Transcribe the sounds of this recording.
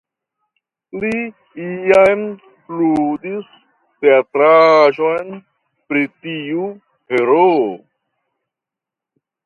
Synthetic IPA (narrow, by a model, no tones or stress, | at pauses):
li | iam | lud̪is | t̪eatɾaʒojn | pɾitiu | heɾo